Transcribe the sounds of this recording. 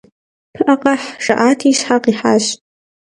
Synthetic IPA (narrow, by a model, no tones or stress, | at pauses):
pʰɨʔaqʼaħʂa̰ʔaːtʰiʃħaqʼiħa̰ʃtʼ